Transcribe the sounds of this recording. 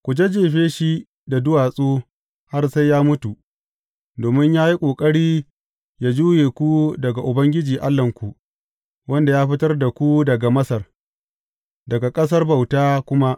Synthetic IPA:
kʷʊ˨d͡ʒe˦d͡ʒeː˨ɸeː˦ʃi˦ | da˨dʊ˦waː˨sʼoː˦ | ha˦rsa˦jjaː˦mʊ˦tu˨ | doː˨mɪ˦ɲjaː˦ji˦kʷʼoː˨kʼɐ˦ɽiː˦ | jaː˦d͡ʒuː˦jeː˨kʷu˦dɐ˨ɡa˨ʔʊ˨bɐ˦ŋɡʲɪ˦d͡ʒiː˨ʔa˦lːɐ˨ŋkʷu˨ʔ | wɐ˦nda˨jaː˦ɸɪ˦tɐ˦rda˨kʷu˦dɐ˨ɡa˨mɐ˦sɐ˨r | dɐ˨ɡa˨kʼɐ˦s̬ɐ˦rba˨wtaː˦kʷʊ˦ma˦ʔ

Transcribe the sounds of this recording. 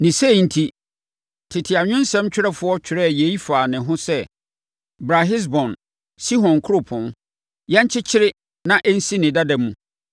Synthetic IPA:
nĩ˨se˦˨n̩˦tʰi˦ | tʰɪ˨tʰɪ˨a˨ɲᶣʊ̃˦n˦sɛ̃˦mt͡ɕᶣɪ˦ɾɛ˦fʊ˦ɔ˦t͡ɕʰᶣɪ˨ɾɛ˦˨je˨˦i˦faː˨nɪ̃˨ɦʊ̃˦sɛ˦ | bɾa˨ɦɪ˦s̬bɔ̃˨n | si˦ɦɔ̃˨nkʰʊ˦o˦˨pʰɔ̃˨n | jɛ̃˦ɲ˦t͡ɕʰɪ˦t͡ɕʰɪ˦ɾɪ˦ | nã˨ʔɛ˦n̩˦si˦nɪ̃˨da˦dɛ̃˨mːũ˨

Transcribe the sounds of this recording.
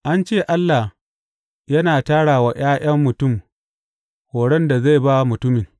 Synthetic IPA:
ʔa˦nt͡ʃeː˦˨ʔa˦lːa˨h | jɐ˦naː˨taː˦ɽaː˨wa˨j̰aː˦j̰ɐ˦mːʊ˨tʊ˦˨m | hoː˨ɽɛ˦nda˨za˦˨jba˦mʊ˨tʊ˦mɪ˨ŋ

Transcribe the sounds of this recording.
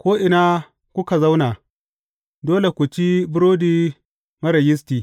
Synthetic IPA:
kʷoː˦ʔɪ˨na˦ | kʷʊ˦ka˨za˦wna˨ | doː˦le˨kʷu˨t͡ʃi˦bʊ˦ɾoː˦diː˦ | mɐ˦ɾɐ˨jɪ˦stiː˨

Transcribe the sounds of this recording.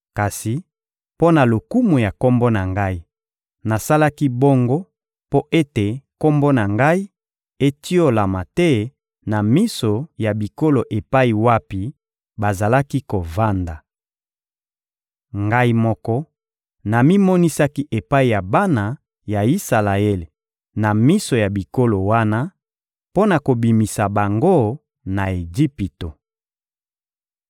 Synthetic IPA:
ka˨si˨ | po˦na˨lo˨ku˦mu˨ja˨ko˦mbo˦na˨ŋɡa˦i˦ | na˨sa˦la˦ki˦bo˦ŋɡo˦ | po˦ʔe˦te˨ko˦mbo˦na˨ŋɡa˦i˦ | e˦ti˦o˦la˨ma˨tɛ˦ | na˨mi˦so˨ja˨bi˨ko˦lo˨ʔe˨pa˦i˨wa˦pi˨ | ba˨za˨la˦ki˦ko˨va˦nda˨ | ŋɡa˦i˦mɔ˦kɔ˦ | na˨mi˦mɔ˦ni˦sa˦ki˦ʔe˨pa˦i˨ja˨ba˦na˨ | ja˨i˦sa˨la˨ɛ˦l | na˨mi˦so˨ja˨bi˨ko˦lo˨wa˦na˦ | po˦na˨ko˨bi˨mi˨sa˨ba˨ŋɡo˦ | na˨e˨ɡi˦pi˨to˨

